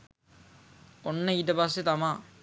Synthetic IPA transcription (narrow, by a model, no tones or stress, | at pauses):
onːɐid̪ɐpɐs̬ːet̪ɐmaː